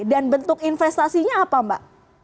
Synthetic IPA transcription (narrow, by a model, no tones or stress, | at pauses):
danbənt̪ʊkinfɛst̪asiɲaːpamba̰ʔ